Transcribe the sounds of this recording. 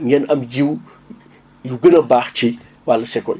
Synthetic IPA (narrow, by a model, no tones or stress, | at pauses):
ɲɛnɐmjiw | juɡənɐbaːxt͡ʃi | walːɐsɛkːɔ̰